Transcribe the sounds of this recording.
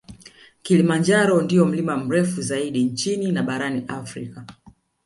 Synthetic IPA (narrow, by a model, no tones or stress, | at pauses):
kilimand͡ʒaɾɔndiɔm̩limam̩ɾɛfuzaiɗint͡ʃininaɓaɾaniʔafɾika